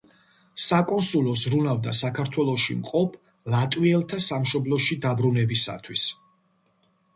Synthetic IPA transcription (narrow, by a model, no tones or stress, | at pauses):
sakʼɔnsulˠɔzɾunavd̪a̰sakʰaɾt̪ʰwɛlˠɔʃḭmqʼɔpʰ | lat̪ʼwiɛlˠt̪ʰasamʃɔblˠɔʃid̪abɾunɛbisa̰t̪ʰwis